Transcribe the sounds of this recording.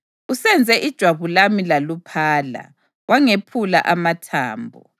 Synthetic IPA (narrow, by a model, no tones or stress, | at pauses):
usɛnd͡zʱɛʔid̥ʒ̥ʱwaβulamilalupʰaːla̰ | waŋepʰulaʔamatʰa̰ːmbʱɔ̰